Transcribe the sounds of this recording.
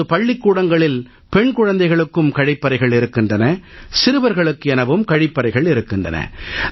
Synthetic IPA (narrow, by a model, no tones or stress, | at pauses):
ɯpɐɭːɪkːuːɽɐŋɡɐɭɪl | pɛɳkʊɻɐnd̪ɐɪɣɐɭɯkːɯmkɐɻɪpːɐɾɐɪɣɐɭɪɾɯkːɪndrɐnɐsɪɾɯʋɐɾɣɐɭɯkːɯɛnɐʋɯmkɐɻɪpːɐɾɐɪɣɐɭɪɾɯkːɪndrɐ̰nɐ̰